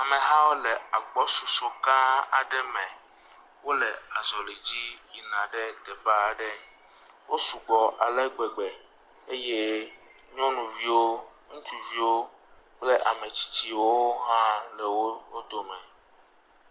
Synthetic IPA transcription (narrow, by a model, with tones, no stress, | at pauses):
a˨mẽ˨ɦã˦wo˦le˨a˨k͡pɔ˦su˨so˦ka˦a˨ɖɛ˦mɛ̃˨ | wo˦le˨a˨zɔ˨le˨d͡ʑi˦ji˨nã˨ɖe˦d̪ɛ˨ba˦˨ɖɛ˦ | wo˦su˨ɡ͡bɔ˨ʔa̰˨lɛ˦ɡ͡bɛ˨ɡ͡bɛ˨e˦je˦ | ɲɔ̃˦nũ˨vi˦wo˦ | ŋũ˦t͡ʃu˨vi˦wo˦ | k͡ple˦ʔa˨me˨t͡ɕi̥˦t͡ɕi˦wo˦ɦã˦lɛ˨wo˦o˦d̪o˨mɛ̃˨